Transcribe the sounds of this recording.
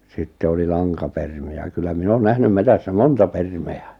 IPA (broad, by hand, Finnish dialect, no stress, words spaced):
sitːe oli lɑŋkɑpermiæ kylːæ min on næhnym metæsːæ montɑ permeæ